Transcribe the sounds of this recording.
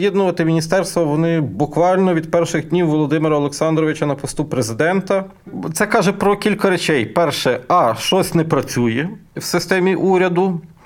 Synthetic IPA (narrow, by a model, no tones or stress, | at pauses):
jɛd̪nʊʋɐt̪ɪmʲinʲist̪ɛrst̪ʋɔʋɔnɪbʊkʋɑlʲnɔʋʲid̪pɛrʃɪɣd̪ʲnʲiwʋɔlˠɔd̪ɪmɪɾɐɔlˠeksɑnd̪ɾɔʋɪt͡ʃɐnɐpɔst̪upɾezɪd̪ɛnt̪ɐ | t̪sɛkɑʒɛpɾɔkʲilʲkɐɾet͡ʃɛjpɛrʃɛɑʃt͡ʃɔsʲnɛpɾɐt͡sʲujɛwsɪst̪ɛmʲiʔuɾʲɐd̪ʊ